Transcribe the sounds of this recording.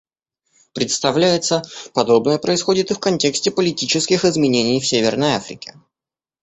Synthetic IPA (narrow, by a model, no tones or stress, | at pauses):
pɾʲɪt̪st̪ɐvlʲæjɪt̪səpɐd̪o̞bnəjəpɾəɪsxo̞dʲɪt̪ɨfkɐnʲtʲe̞ksʲtʲɪpəlʲɪtʲit͡ɕɪskʲɪxɪzmʲɪnʲenʲɪjfsʲevʲɪrnəjafɾʲɪ̰kʲɪ̥